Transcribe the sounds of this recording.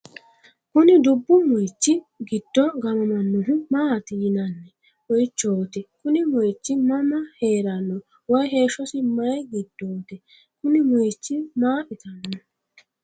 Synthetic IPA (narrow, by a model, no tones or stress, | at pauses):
kʊnɪd̪ʊbːʊmɔjt͡ʃːɪ | ɡɪd̪̥ːɔɡɐmɐmɐnːʊɦʊmaːt̪ɪjɪnɐnːɛ | wɔjt͡ʃːoːt̪ɛkʊnɪmɔjt͡ʃːɪmɐmɐheːɾɐnːɔ | wɔjɦe̞ːʃɔsɪmɐjɡɪd̪̥ːoːt̪ɛ | kʊnɪmɔjt͡ʃːɪmaːʔɪt̪ʰɐnːɔ